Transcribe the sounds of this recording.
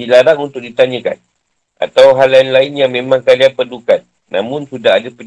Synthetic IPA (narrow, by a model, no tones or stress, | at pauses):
ilaɾaŋunt̪ʊk̚dit̪aɲə̃ka̰n | ʔa̰t̪awɦalːainlaɪnjɲãmẽmãŋkalianpədukan̚ | nã̰mʊ̃nsudaɦadapə